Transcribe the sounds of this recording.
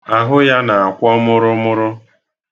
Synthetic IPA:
a˨ɦʊ˦ja˦na˨a˨kʷɔ˦mʊ˦ɾʊ˦mʊ˦ɾʊ˦

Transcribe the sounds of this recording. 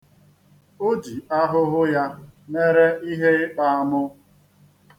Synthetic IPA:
o˦di˨a˦ɦʊ˦ɦʊ˦ja˦me˦ɾe˦ʔi˦ɦe˦ɪ˦k͡pa˦a˦mʊ˦

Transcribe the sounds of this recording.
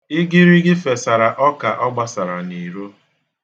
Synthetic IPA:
ɪ˦ɡɪ˦ɾi˦ɡɪ˦fe˨sa˨ɾa˨ʔɔ˦ka˨ʔɔ˦ɡ͡ba˦sa˨ɾa˨ni˨ɾo˦

